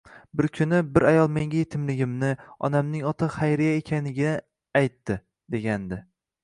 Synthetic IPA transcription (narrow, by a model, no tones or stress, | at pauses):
bɪɾkʲʰʊnɪbɪɾajɒlˠmeŋʲajet̪ʰɪmlɪɡʲɪmnɪɒ̰namnɪŋɒt̪ʰɑχajɾɪjaekʲʰanlɪɡʲɪnɪ | ajt̪ːɪ | d̪e̞ɡʲand̪ɪ